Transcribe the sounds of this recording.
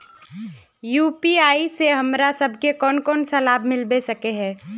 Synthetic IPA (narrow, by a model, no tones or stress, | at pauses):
juːpiaːiseɦəmɾasəbʱkekɔːnkɔːnsɐlaːbʱmɪlbesəkeɦɛ̃ː